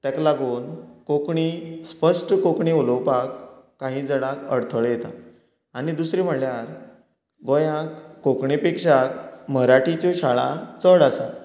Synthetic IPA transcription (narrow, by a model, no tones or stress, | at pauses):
t̪aklaɡuːnkokɳiːspəʂʈkokɳiuləwpakː | ãɦĩd͡zəɽakə̰ɽt̪ʰəɭjet̪a̰ | anid̪usɾim̤əɽljaɾ | ɡojakːokɳipekʂakməɾaʈit͡ɕɔɕaɭa̰t͡səɽasa